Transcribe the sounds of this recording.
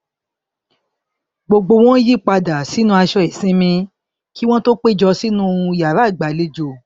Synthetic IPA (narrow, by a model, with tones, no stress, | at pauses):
ɡ͡bo˧ɡ͡bo˧w̃ɔ̃˦ji˦k͡pa˧da˨si˨˦nũ˦a˧ʃɔ˧e˨sĩ˦mĩ˧ | ki˦w̃ɔ̃˦to˦k͡pe˦˨d͡ʒɔ˧si˦nũ˦˧˨ja˨ɾa˨˦˨ɡ͡ba˨˦le˨˦d͡ʒo˧